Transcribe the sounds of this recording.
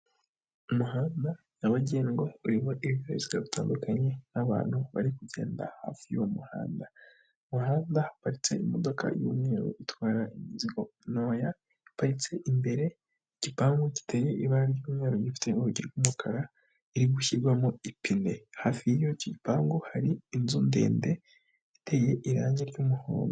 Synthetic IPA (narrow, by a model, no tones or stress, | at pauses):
umuɦaːnda | jaβaɟieŋɡo̞uɾiβoʔiβiβjoeziɡaβitaːndukaɲe̞naβa̰ːn̥huβa̰ɾikuɟe̞̰ːnda̰ha̰ːfijomuha̰ːnda | umuɦaːndahapaɾit͡se̞imo̞do̞ka̰jo̰mŋeːɾo̰ʔitwaːɾaʔimiziɡo̞no̞ːja | ipaɾit͡se̞ʔimbe̞ɾe̞ | iɟ̥ipaːŋɡoci̥tʰeje̞ʔiβaɾijuːmɲaɾoɟifi̥tʰeuɾuɟiɾɡumukʰaɾa | iɾiɡuçiɾɡwamoipine̞haːfiijo̞coɟipaːŋɡohaɾiːnzuːnde̞̰ːnde̞ | ite̞je̞ʔiɾaːɲeɾɟumuho̰ːndo